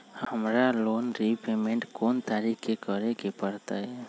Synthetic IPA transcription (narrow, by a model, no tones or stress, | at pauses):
hhəmɾaloːnɾipemẽɳʈkoːnt̪aɾikekəɾekepəɾt̪aɦɛ